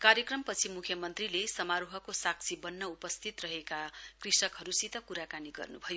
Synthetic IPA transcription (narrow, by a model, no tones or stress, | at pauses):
kaɾjʌkrʌmpʌt͡sʰimukʰjʌmʌnt̪rilesʌmaɾuɦʌkosak̚t͡sʰibʌnːʌupʌst̪ʰit̪rʌɦekakrisʌkɦʌɾusit̪ʌkuɾakaniɡʌ̰rnubʱʌjo